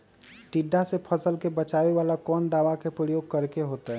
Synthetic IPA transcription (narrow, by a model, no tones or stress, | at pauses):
ʈiɖːasepʰəsəlkebət͡ʃaʋeʋalakɔːnd̪aːʋakepɾəjoːɡ̚kəɾkeɦoːt̪eɦɛ